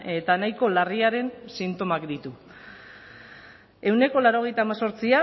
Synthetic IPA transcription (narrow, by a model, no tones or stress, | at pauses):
e̞t̪anajko̞lariaɾe̞nsint̪o̞makd̪it̪u | e̞wne̞ko̞laɾo̞ɣ̞e̞jt̪aːmaso̞ɾt͡sia